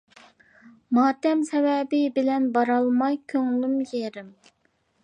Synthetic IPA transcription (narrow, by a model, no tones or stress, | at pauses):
mɑːt̪ɛmsɛvɛbɪbɪlɛnbɑɾɑlˠmɑjkʲʰøŋlymjeɾɪm